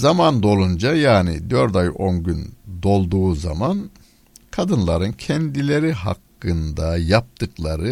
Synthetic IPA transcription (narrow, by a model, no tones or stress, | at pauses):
zamand̪o̞lˠund͡ʒajaːnid̪øɾt̪ajo̞nɟynd̪o̞lˠd̪uːzaman | kʰad̪ɯnlˠaɾɯncʰɛnd̪ilʲeɾiɦa̰kːɯnd̪ajap̚t̪ɯklˠaɾɯ